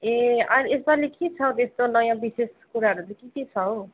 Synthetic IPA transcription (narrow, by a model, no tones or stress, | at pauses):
eajɾesbalikit͡sʰʌwt̪est̪onʌjãbiseskuɾaɦʌɾut͡sʌ̃kik̪it͡sʰʌw